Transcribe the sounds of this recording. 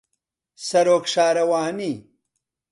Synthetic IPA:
sɐɾoːkʂaːɾɐwaːhni

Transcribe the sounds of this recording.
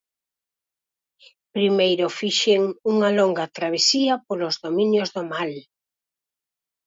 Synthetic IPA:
pɾimejɾofiʃeŋuŋɐlɔŋɡɐt̪ɾaβ̞esiɐpolozðomĩɲjozðomal

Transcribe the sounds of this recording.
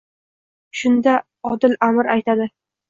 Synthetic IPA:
ʃʊnd̪a | ɒd̪ɪlamɾajt̪ʰad̪ɪ

